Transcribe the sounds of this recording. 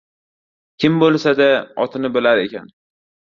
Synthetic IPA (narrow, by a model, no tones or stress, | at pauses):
kʲʰɪmbolˠsad̪aɒt̪ʰɪnɪbɪlaɾe̞kʲa̰n